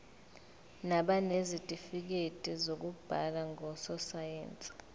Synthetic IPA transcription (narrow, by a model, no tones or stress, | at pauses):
naɓanezitʼifik̬etʼizok̬ub̥ʱa̰laŋɔsɔsajḛːnt͡sʼi̥